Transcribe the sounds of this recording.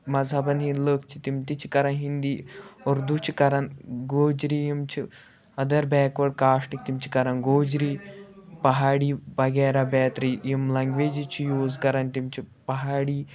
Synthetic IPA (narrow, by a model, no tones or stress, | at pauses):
mɐzʱabɐnɦinləːkt͡ʃʰi̥t̪imt̪it͡ʃʰi̥kɐɾɐnɦind̪iːoɾd̪ut͡ʃʰikɐɾɐnɡoːd͡ʒɾijimt͡ʃʰi | ɐd̪ɐɾbɛːkʋɐɽkaːʂʈik̚t̪imt͡ʃʰi̥kɐɾɐnɡoːd͡ʒɾipɐɦaːɽiːbɐɡeːɾabɛːt̪ɾijimlɐŋɡʋeːd͡ʒit͡ʃʰijoːzkɐɾɐnt̪imt͡ʃʰi | pɐɦaːɽiː